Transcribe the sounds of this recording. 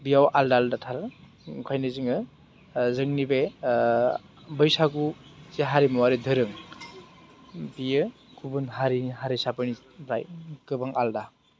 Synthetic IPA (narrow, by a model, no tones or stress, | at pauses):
bijawʔaldaːldatʰaɾ | kʰajnɯzɯŋɯ | zɯŋnibe | bɯjsaɡuseɦaɾimawaɾidɯɾɯŋ | bijɯ | kʰubɯnɦaɾihaɾisapɯni | bɾa̰jkɯbaŋʔalda